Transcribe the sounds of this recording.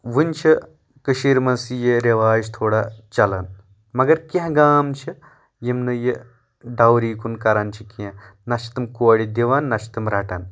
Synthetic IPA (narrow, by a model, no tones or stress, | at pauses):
ʋɨnʲt͡ʃʰi | kɨʃiɾmɐsijeɾeʋaːd͡ʒt̪ʰoːɽat͡ʃɐlɐn | mɐɡɐɾkʲãɡaːmt͡ʃʰi | jimnɨje | ɖawɾiːkunkɐɾaːnt͡ʃʰikiãnɐt͡ʃʰt̪ɨmkoɐɽid̪iʋaːnːɐt͡ʃʰt̪ɨmɾaːʈan